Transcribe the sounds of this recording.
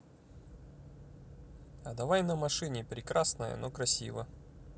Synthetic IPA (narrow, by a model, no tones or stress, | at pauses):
ɐd̪ɐvajnəmɐʂɨnʲɪpɾʲɪkɾasnəjə̰nokɾɐsʲivə